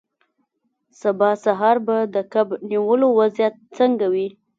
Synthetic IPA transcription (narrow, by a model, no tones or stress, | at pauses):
sabɑsaɦɑɾbad̪əkabniwəlowazjat̪̚t͡səŋɡawi